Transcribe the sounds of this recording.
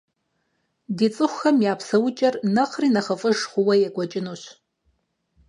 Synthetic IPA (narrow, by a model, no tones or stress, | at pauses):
dit͡sʼɨxʷxɐmjaːpʰsɐwʊt͡ʃʼɐrnɐqriːnɐχɐfʼɨʒχʷʊwɐjɛɡʷɔt͡ʃʼɪnuːɕ